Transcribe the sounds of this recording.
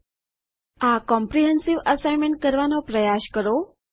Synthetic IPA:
akɔmpɾiɦənsiʋəsajmeɳʈ̚kəɾʋanɔpɾəjaɕkəɾo

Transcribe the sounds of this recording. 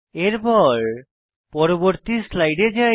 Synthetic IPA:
eɾpɔɾ | pɔɾoboɾt̪islajɖed͡ʑae

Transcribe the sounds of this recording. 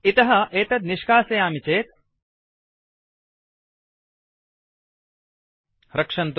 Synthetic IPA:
it̪ɐɦɐʔeːt̪ɐt̪niʂkaːsɐjaːmit͡ʃeːt̪̚ | ɾɐkʂɐnt̪

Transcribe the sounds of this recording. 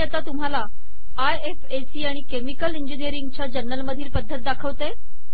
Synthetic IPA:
ɛt̪at̪um̤ala | ajefesiːaɽ̃ikemikəliɲd͡ʑinijəɾiŋɡ̚t͡ɕjad͡ʑəɾnəlməd̪ʱiːlpəd̪ʱːət̪̚d̪akʰəʋt̪e

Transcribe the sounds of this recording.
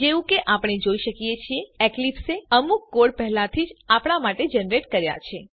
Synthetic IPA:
d͡ʒeʋũkeʔapɽ̃ed͡ʒoiʃəkijet͡ʃʰieeklipseəmukːoɽpɛɦlat̪ʰid͡ʒapɳ̃amaʈed͡ʒənɾeʈkəɾja̰t͡ʃʰe

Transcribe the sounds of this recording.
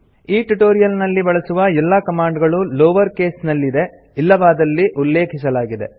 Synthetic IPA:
iːʈuʈoːɾijɐlnɐlːibɐɭɐsuʋɐɛlːɐkɐmaːɳɖɡɐɭuloːʋɐɾke̞ːsnɐlːid̪e̞ | ilːɐʋaːd̪ɐlːiʔulːe̞ːkʰis̬ɐlaːɡid̪e̞̰

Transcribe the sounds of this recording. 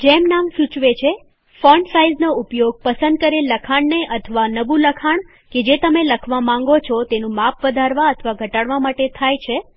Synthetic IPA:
d͡ʒemnamsut͡ʃʋet͡ʃʰe | fɔɳɖsaiznoupjoɡ̚pəsə̃nd̪̚kəɾeləkʰaɳneʔət̪ʰəʋanəbuləkʰaɳ | ked͡ʒet̪əmeləkʰʋamãŋɡot͡ʃʰɔt̪enũmapʰʋəd̪ʱaɾʋaət̪ʰəʋaɡʱəʈaɽʋamaʈet̪ʰajt͡ʃʰe

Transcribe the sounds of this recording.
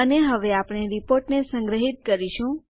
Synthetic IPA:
əneɦəʋeapɽ̃eɾipoɾʈnesə̃ŋɡɾəɦit̪̚kəɾiʃũ

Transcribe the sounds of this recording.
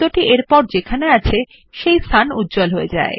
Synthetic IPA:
oʈiʔeɾpɔɾd͡ʑekʰaneat͡ɕʰe | ʃejst̪ʰanṵt̪̚ːd͡ʑolɦoed͡ʑa̰e

